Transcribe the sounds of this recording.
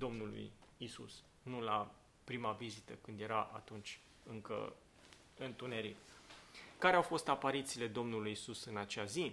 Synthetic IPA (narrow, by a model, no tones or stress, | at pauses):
d̪o̞mnulṵjisṵs | nula | pɾimavizit̪əkɨnd̪je̞ɾaʔa̰t̪unt͡ʃʲ | ɨŋkə̰ | ɨnt̪une̞ɾit̪ | kaɾeawfo̞st̪apaɾit̪siːle̞d̪o̞mnulujisusɨnat͡ʃeazi